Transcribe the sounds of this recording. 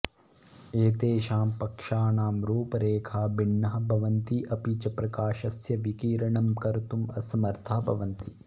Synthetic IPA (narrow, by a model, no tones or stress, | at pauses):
eːt̪eːʃaːmpɐkʂaːnaːmɾuːpɐɾeːkʰaːbiɳːɐɦɐbʱɐʋɐnt̪iʔɐpiːt͡ʃɐpɾɐkaːʃɐsjɐʋikiːɾɐɳɐmkɐɾt̪umɐsɐmɐɾt̪ʰaːbʱɐʋɐnt̪i